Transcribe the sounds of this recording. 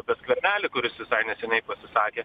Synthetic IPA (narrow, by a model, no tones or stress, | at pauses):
pʲɛskʋʲɛɾʲnʲæːlʲɪkʊɾʲɪsʋʲɪsɐɪnʲɛsʲɛnʲɛɪpɐsʲɪsɑːkʲeː